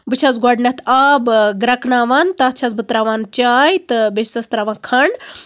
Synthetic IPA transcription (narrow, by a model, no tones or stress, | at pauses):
bɨt͡ʃʰɐzɡɔɖnɐt̪abɡɾɐknaːʋaːnt̪at͡ʃʰɐzbɨt̪ɾaːʋaːnt͡ʃaːjt̪ɨbessɐst̪ɾaːʋaːnkʰɐɳɖ